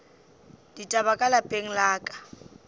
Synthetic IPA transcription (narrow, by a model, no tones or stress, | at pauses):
ditʼaβakʼalapʼeŋ̩laːkʼḁ